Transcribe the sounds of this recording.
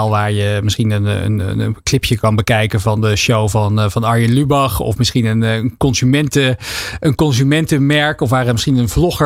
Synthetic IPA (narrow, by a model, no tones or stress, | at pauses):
lˠʋaːɹjəmɪsχinənə̰nə̰nklɪpʰjəkɑnbəkɛjkənvɑndəʃowvɑnvɑnɑɹjənlybɑχɔ̰fmɪsχinənnkɔnzymɛntəənkɔnzymɛntəmɛɹkɔfʋaːɾəmɪsχinənvlɔχə